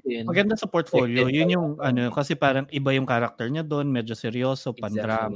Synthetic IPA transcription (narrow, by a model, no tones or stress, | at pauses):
mɐɡɐnd̪asɐpoɹt̪fo̞ːljojʊnjʊŋʔɐnokɐsɛpaːɾɐŋʔɪbajʊŋkaɾɐk̚t̪ɛɹɲad̪o̞nmɛːd͡ʒosɛɾjo̞ːso̞pɐnd̪ɾaːm